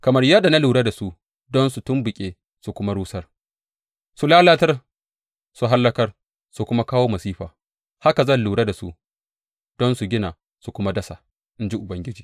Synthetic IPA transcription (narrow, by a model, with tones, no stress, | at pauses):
kɐ˨mɐ˦rjɐ˦da˨na˦luː˨ɽa˦da˨su˦ | dɔ˦nsu˨tʊ˦mbʊ˨kʲʼeː˦ | su˨kʷʊ˦ma˦ɽuː˦sɐ˦r | su˨laː˦laː˦tɐ˦r | su˨ɦa˦lːɐ˦kɐ˦r | su˨kʷʊ˦ma˦kaː˦woː˦mɐ˨siː˦ɸaː˨ | ha˦ka˨zɐ˦˨nluː˨ɽa˦da˨su˦ | d̥ɔ˦nsu˨ɡʲɪ˦naː˨ | su˨kʷʊ˦ma˦dɐ˦sa̰˨ | ʔɪ˦nd͡ʒi˦ʔʊ˨bɐ˦ŋɡʲɪ˦d͡ʒiː˨